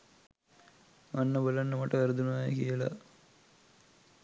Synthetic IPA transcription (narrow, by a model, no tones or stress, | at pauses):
ɐnːɐbɐlɐnːɐmɐʈːɐɐɾd̪unaːjɐ̰kijɐlɐ̰